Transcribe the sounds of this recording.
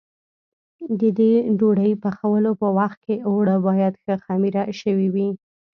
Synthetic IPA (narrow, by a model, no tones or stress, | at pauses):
d̪əd̪eɖoɽəjpəxawəlopəwaxt̪̚keoɽəbɑjad̪xəxamiɾaʃəwiwi